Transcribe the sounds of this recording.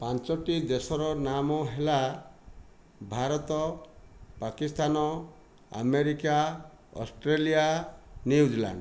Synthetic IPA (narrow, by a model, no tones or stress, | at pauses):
pãnt͡ʃɔʈid̪esɔɾɔnamɔɦela | bʱaɾɔt̪ɔ | pakist̪ʰanɔ | a̰meɾika | ɔ̰sʈɾelijanuud͡ʒila̰ɳɖ